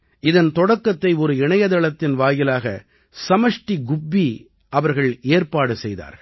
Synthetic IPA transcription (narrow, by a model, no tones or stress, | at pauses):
ɪðɐnt̪ɔɽɐkːɐt̪ːɐɪɔɾɯɪɳɐjɐðɐɭɐt̪ːɪnʋaːjɪlaːɣɐ | sɐmɐʂʈiɡʊbːi | ʔɐʋɐɾɣɐɭeːɾpaːɽɯsɛjða̰ːɾ